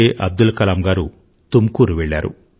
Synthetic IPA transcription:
eʔɐb̚d̪ulkɐlaːmɡaːɾu | t̪umkuːɾuʋɛɭːaːɾṵ

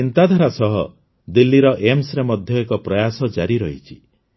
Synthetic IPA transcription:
int̪ad̪ʱaɾasɔɦɔ | d̪ilːiɾɔʔemsɾemɔd̪ʱjɔekɔpɾɔjasɔd͡ʒaɾiɾɔɦit͡ʃʰi̥

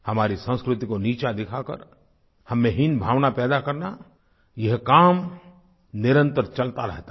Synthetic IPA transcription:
hɐmaːɾisə̃w̃skɾʊt̪ikoniːt͡ʃad̪ɪkʰakə̰ɾ | hɐmːẽɦɪnbʱaːʋnapɛːd̪akɐɾna | jɐɦkaːm | nɪɾə̃nt̪əɾt͡ʃɐlt̪aɾɛɦt̪a

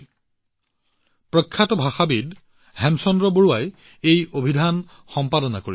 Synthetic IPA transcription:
pɹɔkʰːatɔbʱaxabid | hɛmsɔndɹɔboɹuwaj | ejobʱidʱan | xɔmpadɔnakoɹi

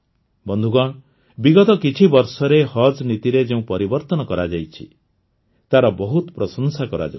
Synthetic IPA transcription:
bɔnd̪ʱuɡɔɽ̃ | biɡɔt̪ɔkit͡ʃʰibɔɾsɔɾehɔd͡ʒnit̪iɾed͡ʒeũpɔɾibɔɾt̪ɔnɔkɔɾad͡ʒajt͡ʃʰḭ | t̪aɾɔbɔɦut̪pɾɔsɔnsakɔɾa̰d͡ʒa̰

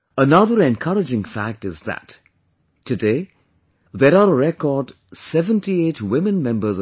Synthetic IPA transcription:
ənʌðəɹɛ̃nkʰʌɾɨd͡ʒɪ̃ŋfæk̚tɪzðə̰tʰː | ɨdeɪ | ðəɾaɾəɹɛkɔːd | sɛvə̃ntietwɪ̃mɨ̃nmɛ̃mbə˞z

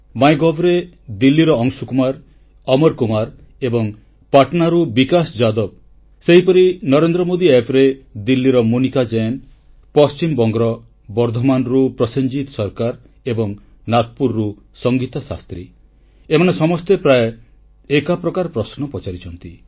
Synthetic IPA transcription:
majɡɔbɾe | d̪ilːiɾɔɔŋsukumaɾ | ɔmɔɾkumaɾ | ebɔŋ | paʈnaɾubikasɔd͡ʒad̪ɔb̚ | seɦipɔɾinɔɾend̪ɾɔmod̪iepɾed̪ilːiɾɔmunikad͡ʒen | pɔst͡ʃimbɔŋɡɾɔ | bɔɾd̪ʱɔmanɾupɾɔseɲd͡ʒit̪sɔɾkaɾ | ebɔŋ | nat̪̚puɾːu | sɔŋɡit̪asa̰st̪ɾi | emanesɔmɔst̪epɾae | ekapɾɔkaɾpɾɔsnɔpɔt͡ʃaɾit͡ʃʰɔnt̪i

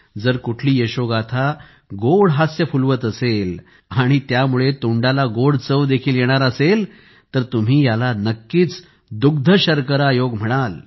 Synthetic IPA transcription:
d͡zəɾkuʈʰliːjeɕoɡat̪ʰa | ɡoɽɦasjəfulʋət̪əsel | aɽ̃it̪jamuɭet̪uɳɖalaɡoɽt͡səʋd̪ekʰiːljeɽ̃aɾəsel | t̪əɾt̪um̤iːjalanəkːiːt͡s | d̪uɡ̚d̪ʱəɕəɾkəɾajoɡm̤əɽ̃al

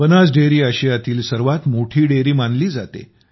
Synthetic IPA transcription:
bənas̬ɖeɾiːaɕijat̪iːlsəɾʋat̪moʈʰiːɽeɾiːmanliːd͡zat̪ḛ

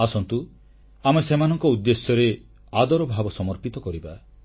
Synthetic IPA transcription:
asɔnt̪u | amesemanɔŋkɔud̪ːesjɔɾe | ad̪ɔɾɔbʱabɔsɔmɔɾpit̪ɔkɔɾiba

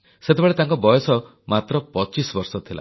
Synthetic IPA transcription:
set̪ebaɭet̪aŋkɔbɔjɔsɔ | mat̪ɾɔpɔt͡ʃisɔbɔɾsɔt̪ʰila̰

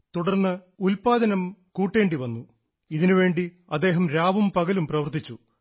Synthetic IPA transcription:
t̪uɽɐrnːɨ | ulpaːd̪ɐnɐmkuːʈːe̞ːɳɖiʋɐnːu | iðinuʋe̞ːɳɖi | ɐd̪ːe̞ːɦɐmɾaːʋɐmpɐɣɐlumprɐʋɐrt̪it͡ɕːu

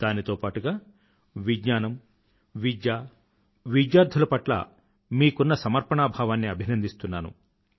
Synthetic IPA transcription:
d̪̥aːnit̪oːpaːʈuɡaː | ʋiɡɲaːnɐm | ʋid͡ʒjaː | ʋid͡ʒjaːɾd̪ʱulɐpɐʈlɐ̰ | miːkunːɐsɐmɐɾpɐɳaːbʱaːʋaːnːiɐbʱinɐnd̪ist̪unːaːnṵ

